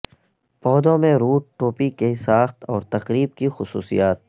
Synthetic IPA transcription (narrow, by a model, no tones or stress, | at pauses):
pɔːd̪õmẽɾuːʈ̚ʈːoːpikesaːxt̪ɔːɾt̪ɐqɾiːb̚kixʊsṵːsḭjaːt̪̚